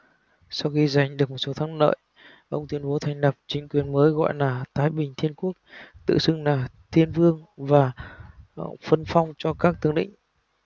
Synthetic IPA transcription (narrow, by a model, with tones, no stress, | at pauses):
sa˧wxi˧za˨˩jŋ̟ɗɨ˨˩ək̚mo˨˩t̚so˨˦t̪ʰaː˨˦ŋnə̰ː˧˨j | ʔə˧wŋ͡mt̪wi˧ənɓo˨˦t̪ʰa˧jŋ̟lə˨˩p̚t͡ɕï˨˦ŋ̟kwi˨˩ənməː˨˦jɣɔ̰˧˨jlaː˨˩t̪aː˨˦jɓï˨˩ŋ̟t̪ʰi˧ənku˦˥ək̚t̪ɨ̰˧˨sɨ˧ŋlaː˨˩t̪ʰi˧ənvɨ˧əŋvaː˨˩ | fə˧nfa˧wŋ͡mt͡ɕɔ˧kaː˦˥k̚t̪ɨ˨˦əŋɗḭ̈˧˨ŋ̟